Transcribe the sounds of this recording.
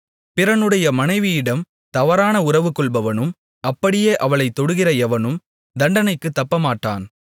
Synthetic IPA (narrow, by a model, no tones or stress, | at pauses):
pɪɾɐnɯɽɐjɐmɐnɐɪʋɪjɪɽɐm | t̪ɐʋɐɾaːnɐʊrɐʋɯkːɔɭbɐʋɐnɯm | ɐpːɐɽɪjeːʔɐʋɐɭɐɪt̪ːɔɽɯɣɪrɐɛʋɐnɯm | d̪ɐɳɖɐnɐɪkːɯt̪ːɐpːɐmaːʈːa̰ːn